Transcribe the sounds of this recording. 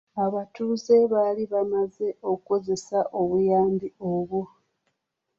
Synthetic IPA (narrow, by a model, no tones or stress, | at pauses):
aβatuːze̞βaːliβamaze̞o̞kuko̞ze̞saʔo̞βujaːmbio̞βu